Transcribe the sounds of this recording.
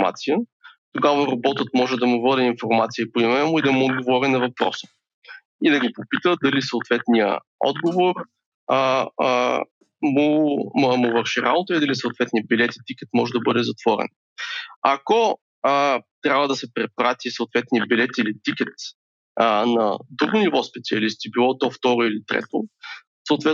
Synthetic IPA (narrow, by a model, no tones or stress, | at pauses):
ma̰t̪sijə | t̪oɡavəɾɐbɔt̪ət̪mɔʒɛd̪ɐmʊvɤd̪ɛinfoɾmat̪siəpoimɛnmʊid̪ɐmʊːd̪̚ɡovɔɾinɐvɐpɾɔ̰sə̥ | id̪ɐɡopopit̪əd̪ɐlisɐʊt̪vɛt̪nijə̰ | ɔ̰d̪ɡovoɾ | mʊmʊvɤɾʃiɾa̰bot̪əid̪ɐlisəʊt̪vɛt̪niəbilɛt̪i̥t̪ikɛt̪mɔʒɛd̪ɐbɤd̪ɛzɐt̪v̥ɔɾɛ̰n | ɐkɔ | t̪ɾʲabvəd̪ɐsɛpɾɛpɾat̪ʲisɐʊt̪vɛt̪nijəbilɛt̪ilit̪ikʲɛt̪ | nɐd̪ɾuɡʊnivɔspɛt̪siɐlist̪ibilˠɔt̪ɔft̪ɔɾʊilit̪ɾɛ̰t̪ʊ | səʊt̪vɛ